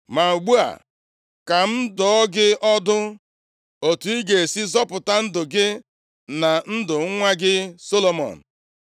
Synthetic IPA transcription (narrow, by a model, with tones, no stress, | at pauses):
ma˨u˨ɡ͡bu˦a̰˨ | ka˨m̩˦dɔ˨ɔ˦ɡɪ˦ɔ˦dʊ˦ | o˨tu˨i˦ɡe˨si˦zɔ˦pʊ˨ta˦n̩˦dʊ˨ɡɪ˦ | na˨n̩˦dʊ˨ŋ̩˦ŋʷa˦ɡɪ˦so˦lo˨mɔ̰˨n̩˨